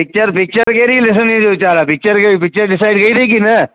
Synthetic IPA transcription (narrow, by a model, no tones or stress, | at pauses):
pɪk̚t͡ʃəɾpɪk̚t͡ʃəɾkeɾilɪs̬ənid͡ʒot͡ʃaːɾapɪk̚t͡ʃəɾkeipɪk̚t͡ʃəɾɖɪsaːɪɖɡɐiɾikinɛ̃